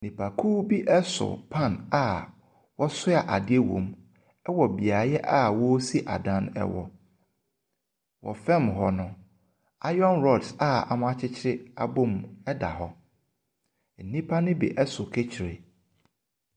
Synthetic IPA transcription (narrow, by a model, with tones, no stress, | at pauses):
nĩ˨pʰa˨kʰuː˦bi˦ʔɛ˦sʊ̰˨pʰã˦˨na˨ | wɔ˦sʊ˦a˨ʔa˨dɪ˦e˦wɔ̰̃˨m | ɛ˦wɔ˨bi˨a˨˦jɛ˦ʔa˦˨wɔ˦si˦ʔa̰˨dã˦n˦ɛ̰˦wɔ̰˨ | wɔ̰˨fɛ̃˦˨mɦɔ˨nʊ̃˨ | a˦jɔ̃˦nɾɔ˦˨dsa˨a̰˨mʊ̃˦a˦t͡ɕʰɪ˦t͡ɕʰɪ˦ɾɪ˦a˨bʊ˦mɛ˦da̰˨ɦɔ˦ | n̩˨nĩ˦pʰa˦nɪ̃˦bḭ˨ʔɛ˦sʊ˨kʰe˦t͡ɕʰɪ˨ɾe˨